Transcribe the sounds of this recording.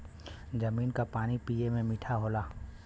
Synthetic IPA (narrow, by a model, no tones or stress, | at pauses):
d͡ʒɐmiːnkapaːnipiːemẽmɪʈʰaɦoːlaː